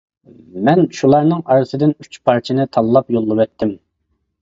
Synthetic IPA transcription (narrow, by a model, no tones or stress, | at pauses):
mɛnʃulˠɑɾnɨŋɑɾɨsɨd̪ɪnyt͡ʃpʰɑɾt͡ʃʰinɪt̪ʰɑlˠːɑpjolˠːɨwɛt̪ʰːɪm